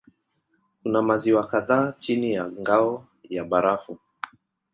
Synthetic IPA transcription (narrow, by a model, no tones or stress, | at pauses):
kunamaziwakaðaːt͡ʃinijaŋɡaɔ | jaɓaɾafu